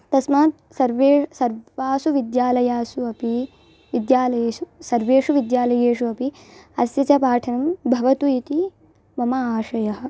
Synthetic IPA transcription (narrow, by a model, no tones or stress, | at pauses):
t̪ɐsmaːt̪̚ | sɐɾʋeːsɐɾʋaːsuʋid̪jaːlɐjaːsuɐpi | ʋid̪jaːlɐjeːsusɐɾʋeːʂuʋid̪jaːlɐjeːʂuɐpi | ɐsjɐt͡ʃɐpaːʈʰɐnɐmbʱɐʋɐt̪uit̪i | mɐmɐaːʃɐjɐɦɐ̆